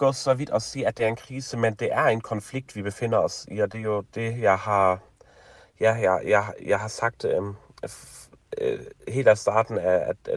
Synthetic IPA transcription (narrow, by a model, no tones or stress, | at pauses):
ɡ̥ɔ̰ːsɒʋid̥ɒsḭːæd̥eæɐe̝nkʰʁiːsəmend̥e̝ʔæɐenkʰɒ̽nfliɡ̥̚d̥ʋib̥efe̝n̰ɐɒsiɒd̥ejo̝d̥e̝jɑɪhɑ̈ | jæjɑɪjɑɪjɑɪɦɑ̈sɑ̈ɡ̥̚d̥ | he̝̰ːlæsd̥ɑ̰̈ːd̥n̩æ̥